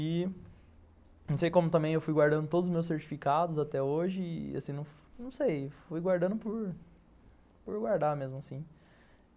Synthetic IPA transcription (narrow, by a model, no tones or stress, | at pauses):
ɪ | nɐ̃w̃sejkõmʊt̪ɐ̃bẽj̃ewfujɡwaɾd̪ɐ̃nd̪ʊt̪od̪ʊzʊzmews̬eɾt͡ʃi̥fikad̪ʊzat̪ɛoʒɪa̰sĩnɐ̃w̃ | nɐ̃w̃sejfujɡwaɾd̪ɐ̃nd̪ʊpʊɾ | poɾɡwaɾd̪amezmʊasĩ